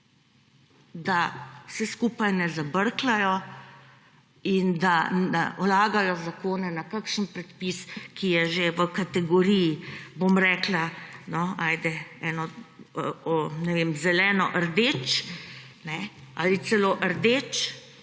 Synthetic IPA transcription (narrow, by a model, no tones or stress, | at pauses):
d̪awsɛskuːpajnɛzabəɾklajɔ | ind̪aa̰ɔlaːɡajɔzakoːnɛnakakʃənpɾɛt̪piskʰijɛʒeʋəkat̪ɛɡɔɾijibomɾɛːklanɔaːjd̪ɛɛːnɔ | ɔnɛʋeːmzɛlɛːnɔ̰ʔəɾd̪eːt͡ʃ | nɛa̰lit̪sɛloːʔəɾd̪et͡ʃ